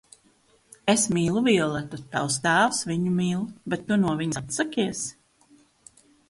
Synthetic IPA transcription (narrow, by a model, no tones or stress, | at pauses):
esmiːlˠuviɛlˠat̪ɔt̪̚pa̰wst̪aːwsviɲumiːlˠbet̪ːunuɔvʲiɲat̪sakʲiɛs